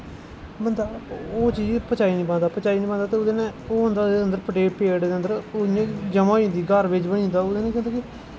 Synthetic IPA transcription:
bənd̪aːoːt͡ʃiːd͡ʒpət͡ʃaːiːnĩːpãːnd̪aːpət͡ʃaːiːnĩːpãːnd̪aːt̪eːʊd̪eːnẽːoːɦʊ̃nd̪aːd̪eːənd̪əɾpəʈeːpeːɖd̪eːənd̪əɾoẽːd͡ʒəmãːĩːnd̪iːɡəɾʋɪt͡ʃbənĩːnd̪aːod̪eːnẽːkɪ̃ːnd̪aːkɪ

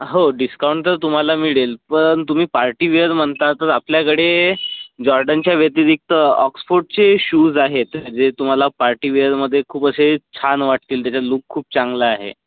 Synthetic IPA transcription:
ɦoɖiskawɳʈəɾt̪um̤alamiɭelpəɳt̪um̤iːpaɾʈiːʋeəɾm̤əɳt̪at̪əɾapljakəɽe | d͡ʑɔɾɖənt͡ɕjaʋjət̪iɾik̚t̪əɔksfoɾɖt͡seɕuːd͡zaɦet̪d͡zet̪um̤alapaɾʈiːʋeəɾməd̪ʱːjekʰuːpəset͡ɕʰanʋaʈ̚t̪iːlt̪jat͡ɕaluːkʰːuːp̚t͡sãŋɡlaaɦḛ

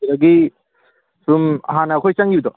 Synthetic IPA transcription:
ɾɐɡi | sum̰ɦanɐːkʰojsaŋiud̪ɔ

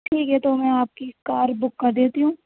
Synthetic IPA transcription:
ʈʰiːkɦɛt̪omɛ̃aːp̚kikaːɾbʊkːɐɾd̪eːt̪iɦũː

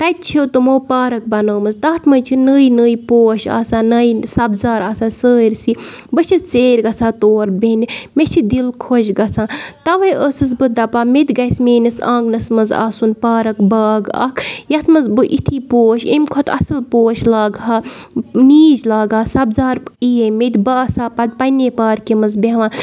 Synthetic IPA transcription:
t̪ɐt̪̚t͡ʃʰot̪ɨmoːpaːɾɐk̚bɐnoːmɐzt̪ɐːt̪ʰmɐjt͡ʃʰinəːjnəːipoːʃa̰ːsãːnɐjsɐbzaːɾaːsaːsəːɾʲsibɨt͡ʃʰist͡seːɾʲɡɐsaːt̪oːɾbenimet͡ʃʰid̪ilkʰoʃɡɐsãːt̪ɐʋɐjʔəsɨs̬bɨd̪ɐpaːmet̪ʲɡɐjsmeːnɐsãːŋɡnɐsmɐza̰ːsunpaːɾɐkbaːɡɐ̰kʰjɐt̪ʰmɐzbɨʔit̪ʰiːpoːʃḛmʲkʰot̪ʰɐ̰sɨlpoːʃlaːɡɦaːniːd͡ʒlaːɡaːsɐbzaːɾijemet̪ʲbɐɐsaːpɐd̪̚pɐneːpaːɾkimɐzbeʋãːn

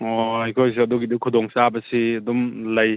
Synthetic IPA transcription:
ɔajkʰojs̬iɐdɔɡidukʰudɔŋsabɐsiɐdumlɐj

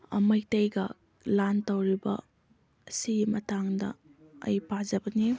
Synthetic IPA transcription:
ɐ̰mɐjtɐjɡɐ | lantɐwɾibɐ̰ː | siɡimɐtaŋdɐ̰ː | jpazɐbɐni

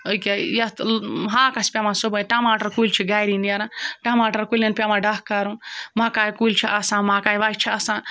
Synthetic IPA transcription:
ojkʲajɐt̪ɦãːkɐsʲpʲamãːsobəjʈamaːʈɐɾkult͡ʃʰiɡaːjɾind̪ijaːɾãːʈamaːʈɐɾkulʲɐnpʲamãːɖɐhkaːɾũmãːkaːjkult͡ʃʰiʔɐsãːmãːkaːjʋaːit͡ʃʰiɐsãː

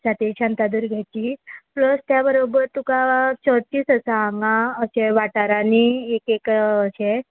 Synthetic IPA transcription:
sat̪eɕãnt̪ad̪uːɾɡʱɛt͡ɕiːpləst̪jabəɾobəɾt̪ukat͡ɕəd̪̚t͡ɕiːsəsaːŋɡãəɕeʋaʈaɾaniekekəɕe

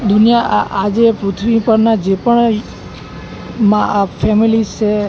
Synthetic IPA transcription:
d̪ʱunjaad͡ʒepɾut̪ʰʋipəɾnad͡ʒepəɳ | mãafɛmilist͡ʃʰe

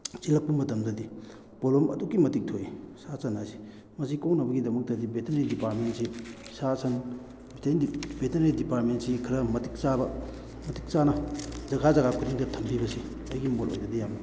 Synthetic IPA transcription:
t͡ʃilɐk̚pumːɐtɐmdɐdi | polomɐ̰dukːimɐtik̚tʰojsasɐnːasi̥ | mɐsikownɐbɐɡidɐmɐk̚tɐdibetʰeneɾdipaɾ̚mentsi | sasɐn | bitʰejndibetenedipaɾ̚mentsikʰiɾɐmɐtik̚t͡ʃabɐ | mɐtik̚t͡ʃanɐzɐɡazɐɣakʰudiŋdɐtʰɐmbibɐsi | ɐjɡimolʔo̰jdɐdijamnɐ

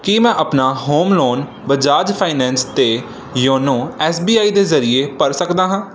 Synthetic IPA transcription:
kiːmɛ̃ːʔəpnaːɦoːmloːn | bəd͡ʒaːd͡ʒpʰaːinɛ̃ːnst̪eː | jõːnõːɛːsbiːaːiːd̪eːzəɾɪeːpəɾsəkd̪aːɦãː

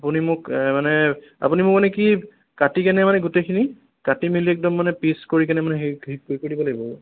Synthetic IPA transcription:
apunimʊkmanɛa̰punimʊk̚manɛki | katikɛnɛmanɛɡutejkʰini | katimiliɛk̚dɔmːanɛpiskoɹik̬ɛnɛmanɛɦikojkoɹibɔlaɡibɔ

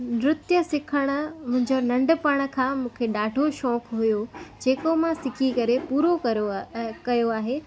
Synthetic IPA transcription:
nɾʊt̪jəsɪkʰəɽ̃ʊ̆mʊ̃ɦɪ̃ɲd͡ʑonɐ̃ɳɖʊ̆pɐɽ̃̆kʰãːmũːkʰeɗaːɖʱoʃɔ̃ːkʰɦʊjod͡ʑeːkomãsɪkʰikɐɾepuːɾo | kɐjoaːɦeː

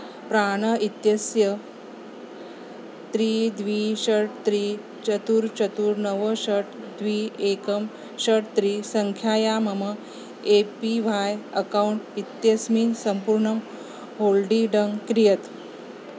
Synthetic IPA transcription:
pɾaɽ̃əit̪jɐsjə | t̪ɾiːd̪ʋiɕəɽt̪ɾiː | t͡ɕət̪uːɾt͡ɕət̪uːɾnəʋəɕəʈ | d̪ʋiːekəm | ɕəʈt̪ɾiːsəŋkʰjaːjamɐmə | epiʋajəkawuɳʈit̪jɐsmiːnsəmpuɾɳɐm | ɦolɖiːɖəŋɡkɾijət̪

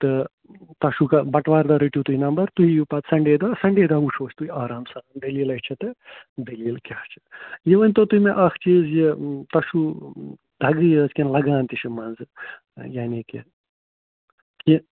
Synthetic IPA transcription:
t̪ɨ | t̪ɐʃukɐbɐʈʋaːɾd̪aɾiʈjut̪uɦinɐmbɐɾt̪uɦijupaːt̪sɐɳɖeːd̪aːsɐɳɖeːd̪aːuʂʰoːt͡ʃʰʲt̪uɦiaːɾaːmsɐnaːmd̪ɐliːlɐɦt͡ʃʰɐt̪ɨd̪ɐliːlkʲaːt͡ʃʰɐ̥jeʋɐnʲt̪ot̪uɦimeʔɐkʰt͡ʃiːzjit̪ɐʃu | d̪ʱɐɡɨjt͡skʲenlɐɡaːnt̪iʃʰɐmɐnzɨ | jaːnʲikḛ | ki

